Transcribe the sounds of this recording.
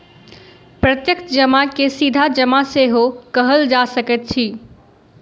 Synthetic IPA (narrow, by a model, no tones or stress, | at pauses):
pɾət̪jəkt̪d͡ʒəmakesid̪ʱad͡ʒəmaseɦokəɦəld͡ʒasəkət̪̚t͡ʃʰi